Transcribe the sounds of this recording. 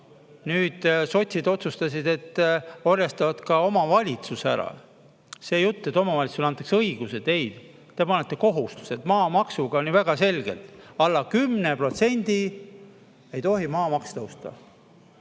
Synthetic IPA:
nyːd̪̥so̞t̪ʲsid̪o̞t̪sust̪ɑs̬id̪e̞t̪ːorjɑst̪ɑvɑt̪kɑo̞mɑvɑlʲit̪susæ̰ɾɑ̰ | se̞ːjut̪ˑːe̞t̪ːˑo̞mɑvɑlʲit̪suslɑnt̪ːˑɑksɤjɡ̥use̞d̪̥e̞jd̪̥ | t̪e̞pɑnːet̪ːˑeko̞ɦust̪u̥se̞t̪mɑːmɑksuɡ̥ɑonːivæɡ̥ɑse̞lʲɡ̥e̞̰lt̪ˑɑlːɑkymnepro̞t̪se̞nʲd̪̥i | e̞jt̪o̞ɦimɑːmɑkst̪ɤwst̪ɑ̰

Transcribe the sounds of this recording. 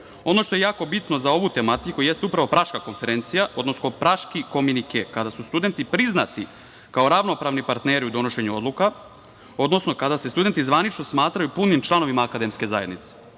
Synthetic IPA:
o̞no̞ʃt̪o̞jejaːko̞bit̪nozao̞ʋut̪emat̪ikuje̞st̪eupɾaʋo̞pɾaʃkako̞nfe̞ɾe̞nt̪sijaʔo̞d̪nosnopɾaʃkiko̞minikekad̪asust̪ud̪e̞nt̪ipɾizna̰t̪i | kao̞ɾaʋno̞pɾaːʋnipaɾt̪neɾiud̪o̞no̞ʃe̞ɲuo̞d̪lˠuka | o̞d̪no̞sno̞kad̪ase̞st̪ud̪e̞nt̪izʋanit͡ʃno̞smaːt̪ɾajupunimt͡ʃlˠano̞ʋimaːkad̪emske̞zaje̞d̪nit̪se̥

